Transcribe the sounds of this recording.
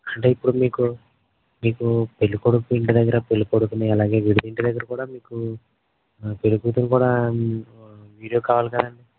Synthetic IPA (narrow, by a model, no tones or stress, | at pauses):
ɐɳʈe̞ːipːuɽumiːku | miːkupelːukoɽukuiɳʈed̪ɐɡːɐɾɐpe̞lːukoɽukunajɐlaːɡe̞ːʋiɽud̪iɳʈɛd̪ɐɡːɐɾɐkuːɽaːmiːku | pe̞lukuːt̪umkuːɽaː | ʋiːɽijoːkaːʋaːlikɐd̪ɐɳɖi